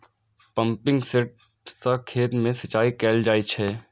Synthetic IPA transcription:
pə̃mpɪ̃ŋɡsɪʈ̚ | sakʰeːt̪mẽsɐt͡ʃaːikɛːld͡ʒaːit͡ʃʰɛː

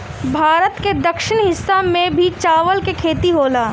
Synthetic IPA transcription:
bʱaːɾət̪ked̪ɐkʃɪñɦɪsːamẽbʱit͡ʃaːʋəlkekʰeːt̪iɦoːlaː

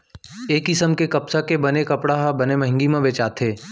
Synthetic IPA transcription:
eːkːɪsəmkekɐpsakebɐnekɐpɽaɦabɐnemɐ̃ɦɪ̃ŋɡimẽbeːt͡ʃaːt̪ʰeː

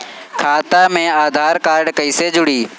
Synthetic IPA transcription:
kʰaːt̪amẽːaːd̪ʱaːɾkaːɾɖkəiːsed͡ʒʊɽiː

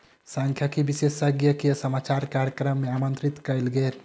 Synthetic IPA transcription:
sãŋkʰjakibisesəɡjəkejəsəmat͡ʃaɾjkaɾjəkɾəmːeamənt̪ɾit̪kəjlɡeɾ

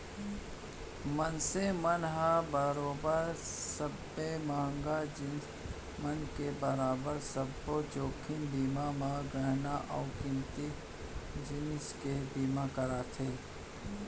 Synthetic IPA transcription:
mənsemənɦabəɾoːbəɾsəbːemãːŋɡad͡ʒɪn | mənkebəɾaːbəɾsəbːot͡ʃoːkʰɪnbiːmamãɡəɦnaʔɔːkɪmt̪i | d͡ʒɪnskebiːmakəɾaːt̪ʰeː

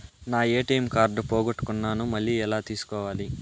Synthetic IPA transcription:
naːeːʈɐjmkaːɾɖpoːɡoʈːu̥kunːaːnumɐɭːiɛlaːt̪iːsu̥kɔːʋaːli

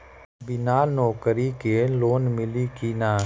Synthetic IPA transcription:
bɪnaːnɔːkəɾikeloːnmɪlikinaː

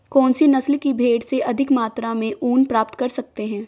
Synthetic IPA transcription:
kɔːnsinɐslkibʱeːɽseʔɐd̪ʱɪkmaːt̪ɾamẽʔuːnpɾaːpt̪kɐɾsɐk̚t̪eɦɛ̃ː

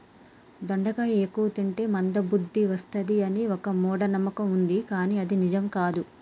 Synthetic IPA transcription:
d̪oɳɖɐkaːeːkːuʋɐt̪iɳʈeːmɐnd̪ɐbud̪ʱːiʋɐst̪ɐd̪iɐniɔkɐmɔːɽɐnɐmːɐkɐmund̪ikaːniːɐd̪inid͡ʒɐmkaːd̪u

